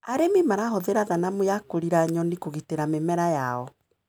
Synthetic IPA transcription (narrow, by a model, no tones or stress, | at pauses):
aɾemimaɾaɦoðeɾaðanamojakoɾiɾaɲɔnikoɣiteɾamemɛɾajaɔ